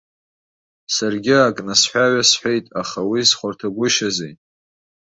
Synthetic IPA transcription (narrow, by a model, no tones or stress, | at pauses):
sarɡʲɪakʼnasħʷᶣaɥasħʷᶣejtʼaχawisχʷartʰaɡʷʊʃazejtʼ